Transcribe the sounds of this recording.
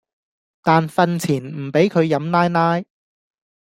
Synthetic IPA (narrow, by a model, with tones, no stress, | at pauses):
t̪aː˨nfɐ˨˧nt͡sʰiː˨˩nm̩˨˩pe˨˥jkʰɵ˨˧ɥjɐ˨˧mnaː˥jnaː˥j